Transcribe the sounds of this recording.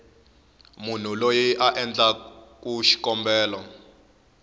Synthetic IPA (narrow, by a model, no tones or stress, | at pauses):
mun̤ulojiʔaʔɛnd͡ɮakuʃi̥kɔmbɛːlɔ